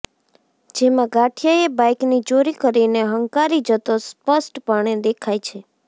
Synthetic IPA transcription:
d͡ʒemãɡaʈʰijəebajknid͡ʒoɾikəɾineɦəŋkaɾid͡ʒət̪ospəsʈpaɳ̃ed̪ekʰajt͡ʃʰe

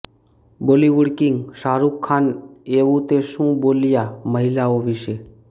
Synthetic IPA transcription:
boliʋuɽkiŋɡʃaɾukʰːaneʋũt̪eʃũboljaməɦilaoʋiʃe

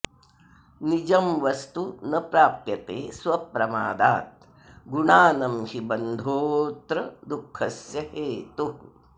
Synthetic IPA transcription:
nid͡ʒɐmʋɐst̪unɐpɾaːpjɐt̪ḛːsʋɐpɾɐma̰ːd̪aːt̪̚ | ɡuɳaːnɐmʃibɐnd̪ʱoːt̪ɾɐd̪ukʰːɐsjɐɦeːt̪u

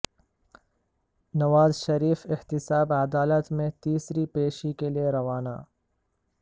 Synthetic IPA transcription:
nɐʋaːzʃɐɾiːfɪht̪ɪsaːbɐd̪aːlət̪mẽt̪iːsɾipeːʃikelieɾɐʋaːna̰ː

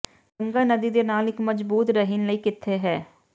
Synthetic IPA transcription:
ɡəŋɡaːnəd̪iːd̪enaːlɪkməd͡ʒbuːt̪ɾəɦɪnləiːkɪt̪ʰːeɦɛː

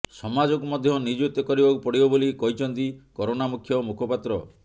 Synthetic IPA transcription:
sɔmad͡ʒɔkumɔd̪ʱjɔnid͡ʒut̪ːɔkɔɾibakupɔɽibɔbolikɔɦit͡ʃʰɔnt̪ikɔɾonamukʰːjɔmukʰɔpat̪ɾɔ

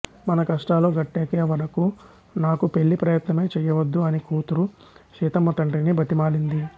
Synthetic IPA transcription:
mɐnɐkɐʂʈaːlo̞ːɡɐʈːeːkeːʋɐɾɐku | naːkupeɭːipɾɐjɐt̪nɐme̞ːt͡ʃɛːjɐʋɐd̪ːuɐnikuːt̪uɾu | ʃiːt̪ɐmːɐt̪ɐɳʈinibɐt̪imaːɽind̪i

